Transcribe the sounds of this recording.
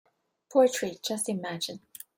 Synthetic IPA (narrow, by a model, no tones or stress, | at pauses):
pʰɔtɹ̥i̥d͡ʒʌstɪmæd͡ʒɨ̃n